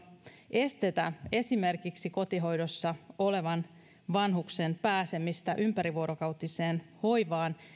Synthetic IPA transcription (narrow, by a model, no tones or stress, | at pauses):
ʔe̞st̪e̞t̪æe̞sime̞rkiksiko̞t̪iɦo̞jdo̞sːɑo̞le̞ʋɑn | ʋɑnɦuksenpæːse̞mist̪æʔympæɾiʋuoɾokɑwt̪ise̞ːnho̞jʋɑːn